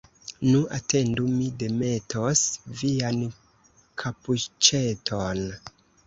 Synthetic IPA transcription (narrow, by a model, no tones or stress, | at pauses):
nuʔate̞ndumide̞metʰosvian | kʰaput͡ʃetʰon